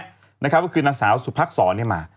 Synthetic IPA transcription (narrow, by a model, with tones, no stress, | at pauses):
na˦˥kʰa˦p̚kʰːɔ˥˩kʰɯː˧naː˧ŋsaː˩˦wsu˨˩pʰaː˦˥k̚sɔː˩˦ni˥˩ɐmaː˧˩